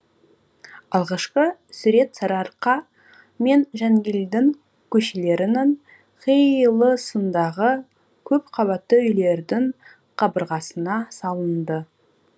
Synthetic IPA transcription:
ɑlˠʁɑʃqəsʉɾe̞t̪sɑɾɑɾqɑ | me̞nʒæŋɡʲeld̪ɪŋ | kʲʰɵʃele̞ɾɪnɪŋ | qʰijlˠəsənd̪ɑʁə | kʲʰɵpqʰɑβɑt̪ːəʏjle̞ɾd̪ɪŋ | qʰɑbəɾʁɑsənɑsɑlˠənd̪ə

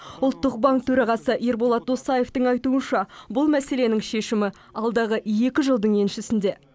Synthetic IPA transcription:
ʊlˠt̪ːəq̚bɑŋk̚t̪ʰɵɾɑʁɑsəʔeɾboɑt̪̚d̪o̞sɑje̞ft̪əŋɑjt̪uənʃɑbʊlˠmæse̞le̞nɪŋʃe̞ʃɪmɪ | ɑlˠd̪ɑʁəje̞kʲɪʒəlˠd̪əɴe̞nʃɪsɪnd̪e̞

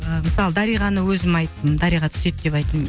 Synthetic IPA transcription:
əmɪsɑlˠəd̪ɑɾijʁɑnəwɵzɪmɑjt̪ːəmd̪ɑɾijʁɑt̪ʰʏ̥se̞t̪̚d̪e̞pɑjt̪m

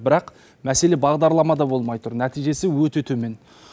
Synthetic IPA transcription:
bɪɾɑq | mæse̞le̞bɑʁd̪ɑɾlˠɑmɑd̪ɑbo̞lˠmɑjt̪ʰʊɾnæt̪ijʒe̞sɪwɵt̪e̞t̪ʰɵme̞n

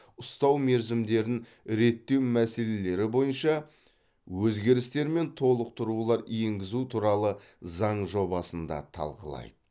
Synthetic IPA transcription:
ʊst̪ɑwme̞ɾzɪmd̪e̞ɾɪŋ | ɾe̞t̪ːe̞wmæse̞le̞le̞ɾɪbo̞jənʃɑ | wɵzɡʲe̞ɾɪst̪e̞ɾme̞nt̪ʰo̞lˠəq̚t̪ʰʊɾulˠɑɾje̞ŋɡʲɪzut̪ʰuɾɑlˠə | zɑɴʒo̞bɑsənd̪ɑ̰t̪ʰɑ̰lˠqəlˠɑ̰jd̪ə

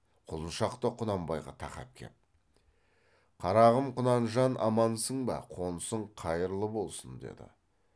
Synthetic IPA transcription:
qʰʊlˠənʃɑqt̪əqʰʊnɑmbɑjʁɑ̰t̪ʰɑχɑ̰p̚kʲʰe̞̰p̪̚ | qʰɑɾɑʁəmqʰʊnɑnʒɑnʔɑ̰mɑnsəɴbɑ̰qʰo̞nəsəɴqʰɑjəɾlˠəbo̞lˠsənd̪e̞̰d̪ɪ̰

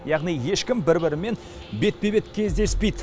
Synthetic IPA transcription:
jɑʁnijje̞ʃkʲɪmbɪɾbɪɾɪme̞n | be̞t̪̚pe̞be̞t̪kʲʰe̞zd̪e̞spe̞jd̪ɪ

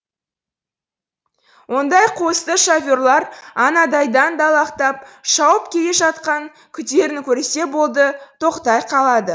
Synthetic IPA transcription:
wo̞nd̪ɑjqʰo̞st̪əʃofʲoɾlˠɑɾɑnɑd̪ɑjd̪ɑnd̪ɑlˠɑqt̪ɑp̚ʃɑwəpkʲʰe̞le̞ʒɑt̪qɑŋ | kʲʰʏt̪e̞ɾɪnkʲʰɵɾese̞bo̞lˠd̪ət̪ʰo̞qt̪ɑjqʰɑlˠɑd̪ə

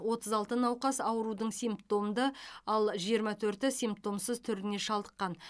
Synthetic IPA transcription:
wo̞t̪ʰəzɑlˠt̪ənɑwqɑsɑwəɾud̪əɴsʲijmpt̪o̞md̪əɑlˠʒijəɾmɑt̪ʰɵɾt̪ɪsijmp̚t̪o̞msəzt̪ʰʏɾɪne̞ʃɑlˠd̪əqːɑn

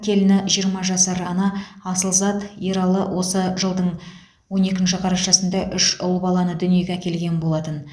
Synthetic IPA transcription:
kʲʰe̞lɪnɪʒijəɾmɑʒɑsɑɾɑnɑɑsəlˠzɑt̪jeɾɑlˠəwʔo̞səʒəlˠd̪əɴ | wo̞ne̞kʲɪnʃ̬ɪqʰɑɾɑʃɑsənd̪ɑʔʏʃʊlˠbɑlˠɑnəd̪ʏnije̞ɡʲeækʲe̞lɡʲe̞nbo̞lˠɑt̪ən

